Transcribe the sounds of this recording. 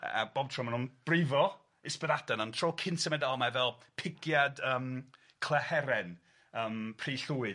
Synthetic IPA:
a̰b̥ɔbtʰrɔmanʊnb̥rɪvɔ | ɪspəðadɛnɔntʰroːkʰɪntsəmɛdalˠmavɛlˠpʰɪɡjadəːm | kʰlˠɛhɛɾɛn | əːmpʰriːɬuːɨ

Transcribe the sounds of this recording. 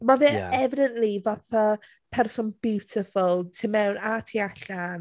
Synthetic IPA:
mavɛɛvɪdənʔlivaθa | pʰɛrsɔnbɪwtʰɪfʊlˠtʰimɛwnatʰiaɬan

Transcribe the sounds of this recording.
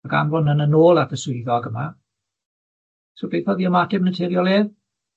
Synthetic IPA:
ɡa̰nvɔnənənoːlˠatʰəsʊɨðɔɡəma | sobejfɔðiːəmadɪmənətʰɛɾjɔlˠeːð

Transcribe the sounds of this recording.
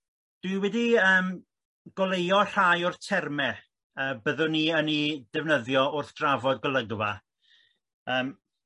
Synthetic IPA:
d̥wɨwɛdiəːm | ɡ̥ɔlˠejɔɬajʊrθtʰɛrmɛ | əːbəðʊniənid̥ɛvnəðjɔʊrθd̥ravɔdɡəlˠəɡva | əːm

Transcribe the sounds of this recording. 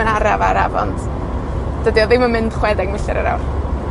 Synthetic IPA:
ənaɾavaɾavɔ̰nt | d̥ədiɔðɪməmɪnd̥χwɛdɛɡ̚mɪɬɛɾə̰ɾa̰wr

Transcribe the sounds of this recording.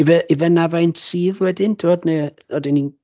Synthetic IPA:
ivɛʔivɛnavajnsʰiːvwɛdɪntʰɪvɔdne | ɔdɪnin

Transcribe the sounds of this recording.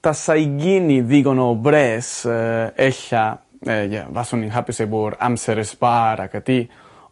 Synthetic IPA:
t̪asajɡiniðiɡonobɾes | eɬa | ja̰vasuniŋxapisebuɾa̰mseɾespaɾakat̪i

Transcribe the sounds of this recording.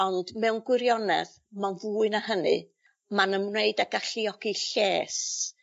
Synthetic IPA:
ɔndmɛwnɡwɪɾjɔnɛ̰ð | manvuːɨnahənɨ̰ | manənmneɨdaɡaɬiɔɡiɬeːs

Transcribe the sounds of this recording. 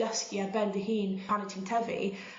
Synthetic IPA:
əskiabɛndəɦiːnʰanətʰɪntʰɛvḭ

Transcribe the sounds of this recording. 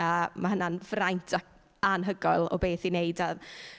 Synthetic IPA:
əːmahənanvrajntʰa | anɦəɡɔɨlˠɔ̰beːθinejda

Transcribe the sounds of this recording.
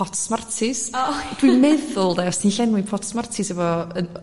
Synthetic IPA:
ɔtʰsmartʰɪsd̥wimɛðʊlˠdɛɔsniɬɛnwɪnpʰɔtsmartʰɪsɛvɔən

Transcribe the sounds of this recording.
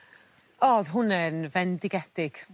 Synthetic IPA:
ɔːðɦʊnɛnvɛndɪɡɛd̥ɪɡ̥

